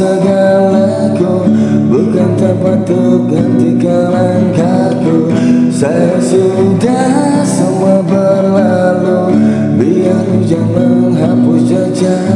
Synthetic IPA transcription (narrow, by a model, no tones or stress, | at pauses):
əɡala | ku | bukant̪ərpant̪ukənt̪ikala | ŋka | ku | sajasu | da | səmabərla | lu | biakud͡ʒamanɦapʊst͡ʃəd͡ʒa